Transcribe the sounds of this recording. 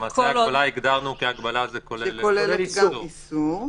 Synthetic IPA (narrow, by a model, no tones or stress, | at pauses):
mateabalaiɡd̪aʁnukiaɡbalazekoleelolelɡaisu